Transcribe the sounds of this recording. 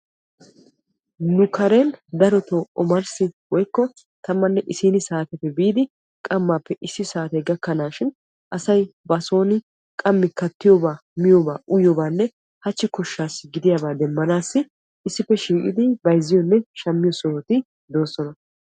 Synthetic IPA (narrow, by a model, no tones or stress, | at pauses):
nʊkʰɐɾend̪ɐɾɔt̪oːʔɔmɐɾsɪwɔjkːɔ | t̪ɐmːɐnːɛʔɪsiːnɪsaːt̪ɛpːɛbiːd̪ɪ | kʼɐmːaːpːɛʔɪsːɪsaːt̪ɐɡɐkːɐnaːʃɪn | ʔɐsɐjbɐso̞ːnɪ | kʼɐmːɪkɐt̪ːɪjɔbaːmɪjobaːʔʊjɔbaːnːɛ | hɐt͡ʃːɪkɔʃːaːsɪɡɪd̪ɪjaːbaːd̪ɛmːɐnaːsːɪ | ɪsːɪpːɛʃiːkʼɪ̰d̪ɪbɐjzːɪjɔnːɛʃɐmːɪjɔsɔɔt̪ɪ | d̪o̞ːsɔnɐ